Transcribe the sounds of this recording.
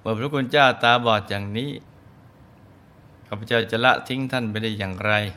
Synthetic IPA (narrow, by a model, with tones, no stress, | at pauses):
mɯː˧˩pʰɾa˦˥kʰu˧nt͡ɕaː˥˩wt̪aː˧bɔː˨˩t̪̚jaː˨˩ŋniː˦˥ | kʰaː˧˩pʰːa˧t͡ɕa˥˩wt͡ɕa˨˩la̰˦˥ʔt̪ʰi˦˥ŋt̪ʰa˥˩nma˧jdaː˥˩jaː˨˩ŋɾa˧j